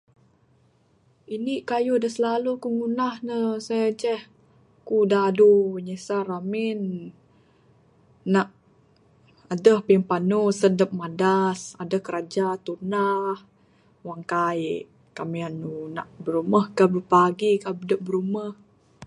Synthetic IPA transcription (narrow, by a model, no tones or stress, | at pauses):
iniʔkajudəsəlalukuŋunahnəsad͡ʒɛh | kudaduɲesaɾamin | aʔ | adəhpimpanusədəp̚madasadəhkəɾad͡ʒat̪unah | waŋkaj | kamianːuna̰ʔbəɾuməhkabəɾupaɡikabədəʔ̚bəɾuməh